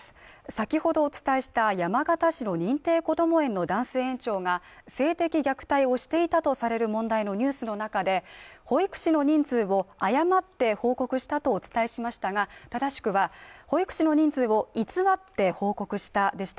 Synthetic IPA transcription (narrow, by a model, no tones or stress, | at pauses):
sakʲiho̞d̪o̞ːt͡sɨ̥t̪aiɕi̥t̪ajamaɡat̪aɕino̞ɲ̟ĩnt̪e̞ːko̞d̪o̞mo̞ẽ̞nːo̞d̪ãɰ̃se̞ːẽ̞ɲ̟t͡ɕo̞ːŋa | se̞ːt̪e̞kʲiɡʲakɯ̟̥t̪aio̞ɕi̥t̪e̞it̪at̪o̞saɾe̞ɾɯ̟mõ̞nd̪aino̞ɲ̟ɨːsɨno̞nakad̪e̞ho̞ikɯ̟̥ɕino̞ɲ̟ĩnd͡zɨːβo̞ajamat̪ːe̞ho̞ːko̞kɯ̟ɕi̥t̪at̪o̞ːt͡sɨ̥t̪aiɕimaɕi̥t̪aɡat̪ad̪aɕi̥kɯ̟βaho̞ikɯ̟̥ɕino̞ɲ̟ĩnd͡zɨːβo̞it͡sɨβat̪ːe̞ho̞ːko̞kɯ̟ɕi̥t̪ad̪e̞ɕi̥t̪a